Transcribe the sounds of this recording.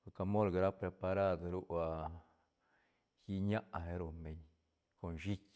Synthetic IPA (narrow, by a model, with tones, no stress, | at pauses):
ka˧mo˦lɡa˨ɾa˦pɾe˨pa˧ɾa˦d̪ɾu˦a˧ | ji˦ɲa˦ʔɦe˧ɾu˧˨mbe˨ɲ | ko˨nʃi˦k